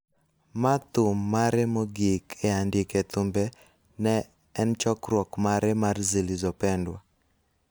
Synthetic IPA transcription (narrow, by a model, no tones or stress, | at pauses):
mat̪ʊmːaɾemoɡikʰeandɪket̪ʊmbɛ | nɛː | nt͡ʃɔkɾwɔkmaɾɛmarzilizɔpɛndwa